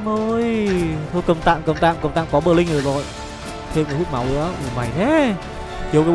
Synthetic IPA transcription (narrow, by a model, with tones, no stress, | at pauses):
mə˧jt̪ʰo˧jkə˨˩wŋ͡mt̪a̰ː˧˨mkə˨˩wŋ͡mt̪a̰ː˧˨mkə˨˩ŋ͡mt̪a̰ː˧˨kɔ˨˦ɓəː˧˩li˧ŋ̟ʔɨ˨˩zo˨˩j | t̪ʰe˧mkə˨˦˩hu˦˥k̚ma˨˦wʔɨ̰˧˥əmɨ˨˩ma˨˩jt̪ʰɛ˨˦˥ | t͡ɕi˨˦wka˨˦